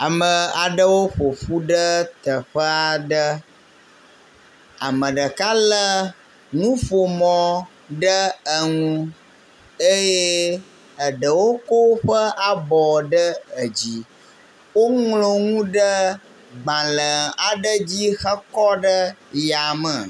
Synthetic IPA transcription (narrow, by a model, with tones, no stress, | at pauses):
a˨mə̃˨a˨ɖə˦wo˦ɸo˨ɸu˦ɖə˦t̪ə˨ɸə˦a˨ɖə˦ | a̰˨mə̃˨ɖə˨ka˦lə˦ | ŋũ˦ɸo˨mɔ̃˨ | ɖə˦ə˨ŋũ˦ | e˦je˦ | ə˨ɖə˨wo˦ko˦ɸə˦ʔa˨bɔ˨ɖə˦ə˨d͡ʑi˦ | wo˦ŋlo˨ŋũ˦ɖə˦ | ɡ͡bã˨lə˨a˨ɖə˦d͡ʑi˦xə˦kɔ˦ɖə˦ja˨mə˨